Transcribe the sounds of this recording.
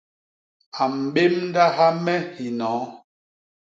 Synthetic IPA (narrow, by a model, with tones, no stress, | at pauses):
a˨m̩˨ɓe˦mn˦da˦ɦa˦mɛ˦hi˨nɔ̃ː˨˦